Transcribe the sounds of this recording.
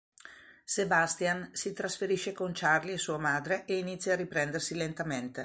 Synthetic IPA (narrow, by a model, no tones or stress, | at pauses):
sebast̪jansit̪ɾasfeɾiʃekont͡ʃarliesuːamaːd̪ɾeʔeinit̪sːjaripɾɛnd̪ersilent̪ament̪e